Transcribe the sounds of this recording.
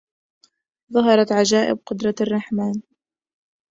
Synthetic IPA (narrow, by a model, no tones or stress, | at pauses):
ðˤɑɦɑɾˤɑt̪ʕad͡ʒaːʔɪ̰b̚qʊd̪ɾˤɑrˤːɑħmaːn